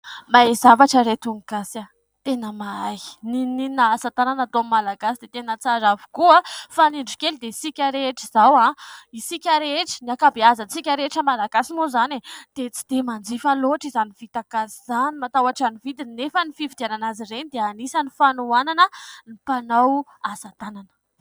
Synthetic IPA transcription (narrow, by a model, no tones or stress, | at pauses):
maezavaʈ͡ʂəɾet̪uŋɡasa | t̪enəmaai̥nininaasat̪ananat̪oammːalaɡasid̪et̪enət͡saɾavu̥kuafaniɳɖ͡ʐukʲeld̪eisikʲaɾeʈ͡ʂiz̥awaisikʲaɾeʈ͡ʂi̥niakabeazət͡sikʲaɾeʈ͡ʂəmalaɡasimozaned̪̥et͡si̥d̪̥emand͡zifaloʈ͡ʂizanivit̪aɡasiz̥animat̪awaʈ͡ʂanivid̪inefənifivid̪iananazirenid̪eanisanifanuananənipanawasat̪ananə̥